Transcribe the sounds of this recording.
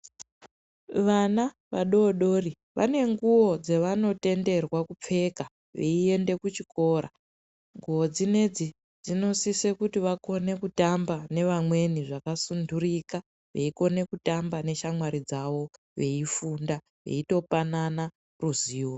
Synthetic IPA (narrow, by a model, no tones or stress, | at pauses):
ʋana | ʋa̰ɗo̞ɗo̞ːri | ʋa̰ne̞ŋɡuwo̞d͡zeʋano̞te̞nde̞rwakup͡fe̞ka | ʋḛie̞nde̞kut͡ʃiko̞ːɾa̰ | ŋɡuwod͡zine̞d͡zi | d͡zino̞sisekutiʋako̞ne̞kutambane̞ʋamwe̞niʐakasundurika | ʋe̞̰iko̞ne̞kutambane̞ʃamwaɾid͡zawo̞ | ʋe̞ifunda | ʋe̞̰ito̞panana | ruziːwo